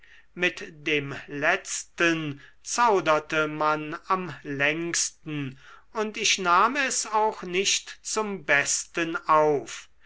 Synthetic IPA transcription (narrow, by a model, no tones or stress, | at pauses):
mɪtd̥eːmlɛt͡stən | t͡saʊdɐtəmanamlɛŋkstn̩ʊntɪʃnaːmɛsaʊxnɪʃtt͡sʊmbɛstənaʊf